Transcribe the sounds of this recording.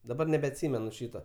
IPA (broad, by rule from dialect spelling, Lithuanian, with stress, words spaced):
dɐˈbɐr nʲɛbʲɛɐtʲˈsʲiːmʲɛnʊ ˈʃʲiːtoː